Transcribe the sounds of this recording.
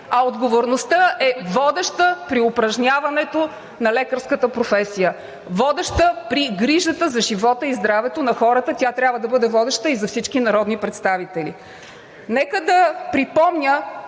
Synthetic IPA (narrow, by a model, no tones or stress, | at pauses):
ɐod̪ɡovoɾnost̪əʔɛvɔd̪ɛʃt̪əpɾiopɾɐʒnʲavɐnɛt̪o | nɐlɛkəɾskət̪əpɾofɛsijə | vɔd̪ɛʃt̪əpɾiɡɾiʒət̪əzɐʒivɔt̪əizd̪ɾavɛt̪onɐxɔɾət̪ət̪ʲjat̪ɾʲjabvəd̪ɐbɤd̪ɛvɔd̪ɛʃt̪əizɐfsit͡ʃkinɐɾɔd̪nipɾɛt̪st̪avit̪ɛlḭ | nɛkəd̪ɐpɾipɔmnʲə